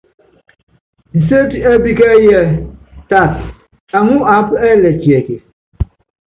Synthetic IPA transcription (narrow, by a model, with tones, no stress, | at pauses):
n̩˨se˦te˦bi˦kɛ˦jɛ˦ta˦˨t | a˨ŋu˦a˨˦pɛ˦lɛ˨t͡ʃi˨e˨ke˨